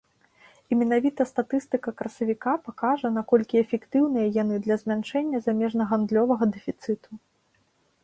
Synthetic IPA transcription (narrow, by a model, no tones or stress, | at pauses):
imʲɛnavʲit̪ɐst̪at̪ɨst̪ɨkɐkɾɐsɐvʲikapakaʐɐnakɔlʲkʲiɛfʲɛkt̪ɨwnɨjɐjanɨd̪lʲɐzʲmʲant͡ʂɛnʲːɐzamʲɛʐnɐɣand̪lʲɔvɐɣɐd̪ɛfʲit̪sɨt̪u